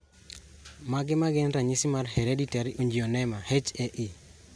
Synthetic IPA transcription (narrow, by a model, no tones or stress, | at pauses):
maɡɪmaɡɪnɾaɲisɪmarheɾeditaɾiʔoɲd͡ʒionɛmahet͡ʃɛʔɪ